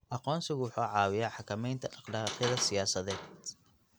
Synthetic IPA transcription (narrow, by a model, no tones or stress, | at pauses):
ʔɐqɔːnsɪɣwʊħuːʕɑːwɪjaːħɑkʰɐmɛjnt̪ʰɐʔɑqlɑːqjɐðɐsɪjaːsɐðɛːd̪